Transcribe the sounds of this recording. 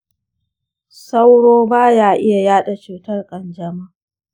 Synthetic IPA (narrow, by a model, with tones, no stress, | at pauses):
sa˦wɽoː˦baː˦jaː˨ʔɪ˦ja˨jaː˦ɗa˨t͡ʃuː˨tɐ˦rkʼɐ˨nd͡ʒɐ˨ma˦˨